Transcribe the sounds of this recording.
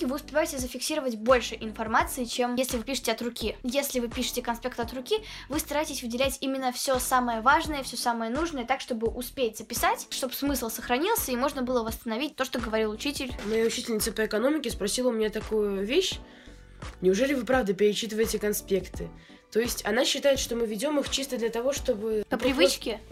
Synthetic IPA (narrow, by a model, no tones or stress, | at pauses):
vɨʊspʲɪvajɪtʲɪsʲzəfʲɪksʲiɾəvətʲbo̞lʲʂɨʔɪnfɐrmat̪sɨɪt͡ɕemesʲlʲɪvɨpʲiʂɨ̥tʲɪɐt̪rʊkʲijesʲlʲɪvɨpʲiʂɨ̥tʲɪkɐnspʲe̞k̚t̪ɐt̪rʊkʲivɨst̪ɐɾaɪtʲɪsʲvɨdʲɪlʲætʲimʲɪnːəfsʲo̞saməjəvaʐnəjəfsʲosaməjənuʐnəjət̪akʂt̪o̞bɨʔʊspʲetʲzəpʲɪsatʲʂt̪o̞bsmɨslˠsəxɾɐnʲilˠsʲəimo̞ʐnəbɨlˠəvəst̪ənɐvʲit̚ʲt̪o̞ʂt̪oɡəvɐɾʲilˠʊt͡ɕitʲɪlʲmɐjaʊt͡ɕitʲɪlʲnʲɪt̪sɨpəɪkɐno̞mʲɪkʲɪspɾɐsʲilˠəʊmʲɪnʲat̪ɐkujʊvʲeɕ | nʲɪʊʐɛlʲɪvɨpɾavd̪əpʲɪɾʲɪt͡ɕːit̪ɨvəjɪtʲɪkɐnspʲe̞kt̪ɨ | t̪ojɪsʲtʲɐnaɕːɪt̪ajɪt̪ʂt̪o̞mɨvʲɪdʲo̞mɨxt͡ɕist̪əd̪lʲət̪ɐvo̞ʂt̪o̞bɨpəppɾʲɪvɨt͡ɕkʲɪ